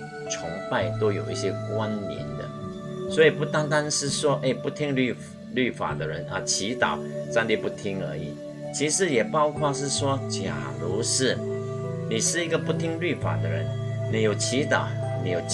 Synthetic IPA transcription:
t͡sʰʊ˧˥ŋpa˥˩ɪt̪o˥ʊjo˨˩ʊḭ˥˩ɕjɛ˥kwa˦˥nmjɛ̰˧˥nd̪ə̰˧ | swɔ˧˥i˨˩pu˥˩t̪a˥ŋt̪a˥nʂɻ̩˥˩swɔ˥ʔe˥ɪpu˥˧t̪ʰi˥ŋly˥˩ | ly˥˩fa̰˨˩d̪ə˦ɻə˧˥nʔɐ˨t͡ɕʰi˧˥t̪ɑ̰˨˩˦ʊʂa˥˧ŋt̪i˥˧pu˥˩t̪ʰi˥ŋə˞˧˥i˨˩ | t͡ɕʰi˧˥ʂɻ̩˧˥jɛ˨˩pɑ˥˧ʊkʰwa˥˧ʂɻ̩˥˩ʂwɔ˥t͡ɕja̰˨˩lu˧˥ʂɻ̩˥˩ni˨˩ʂɻ̩˥˩i˧˥ɡə˧pu˥˩t̪ʰi˥ŋly˥˩fa̰˨˩d̪ə˦ɻə̰˧˥n | ni˨˩jo˨˩ʊt͡ɕʰi˧˥t̪ɑ̰˨˩˦ʊ | ni˨˧˩jo˨˩

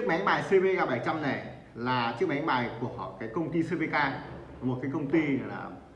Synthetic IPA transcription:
t͡ɕk̚ma˨˦jmaː˨˩jse˧ve˧kaː˧ɓaː˧˩jt͡ɕa˧mna˨˩j | laː˨˩t͡ɕɨ˦˥k̚ma˨˦jmaː˨˩jku˧˩əɔ̰˧˩kaː˨˦jkə˧wŋ͡mt̪i˧se˧ve˧kaː˧˩ | mo˨˩t̚kaː˨˦kə˧wŋ͡mt̪i˧˨˩la̰ː˨˩

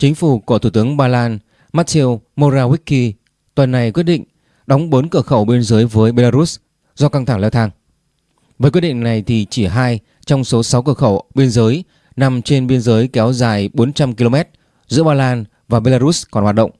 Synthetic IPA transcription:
t͡ɕï˨˦ŋ̟fu˧˩ku˧˩əu˧˩t̪ɨ˨˦əŋɓaː˧laː˧n | maː˦˥t̚t̪ʰe˧wmo˧zaː˧wi˦˥k̚kːi˧ | t̪wə˨˩nːa˨˩jkwi˦˥ət̚ɗḭ˧˨ŋ̟ | ɗɔ˨˦wŋ͡mɓo˨˦nkəː˧˩xə˧˩wɓi˧ənzəː˨˦jvəː˨˦jɓe˧laː˧ɾu˦˥s | z̥ɔ˧ka˧ŋt̪ʰa˧˩ŋlɛ˧wt̪ʰaː˧ŋ | vəː˨˦kwɗḭ˧˨ŋ̟na˨˩jt̪ʰi˨˩t͡ɕi˧˩ɦaː˧j | t͡ɕɔ˧wŋ͡mso˨˦sa˨˦wkəː˧˩xə˧˩wɓi˧ənzəː˨˦j | na˨˩mt͡ɕe˧nɓi˧ənzəː˨˦jkɛ˨˦wzaː˨˩jɓo˨˦nt͡ɕa˧mki˧lo˧mɛ˦˥t̚ | zɨ̰˧˥əɓaː˧laː˧n | vaː˨˩ɓe˧laː˧ɾu˦˥skɔ˨˩nhwaː˨t̚ɗə̰˧˨ŋ͡m

